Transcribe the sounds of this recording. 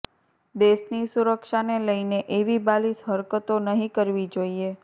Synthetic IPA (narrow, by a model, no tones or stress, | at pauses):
d̪eʃnisuɾəkʃaneləjneʔeʋibalisɦəɾkət̪onəɦĩkəɾʋid͡ʒoie